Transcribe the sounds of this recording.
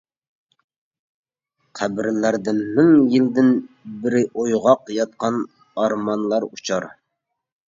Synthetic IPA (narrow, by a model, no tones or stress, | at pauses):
qʰæbɪɾlæɾd̪ɪnmɪŋjild̪ɪnbɪɾɪʔojʁɑqjɑt̪̚qʰɑn | ɑɾmɑnlˠɑɾut͡ʃʰɑɾ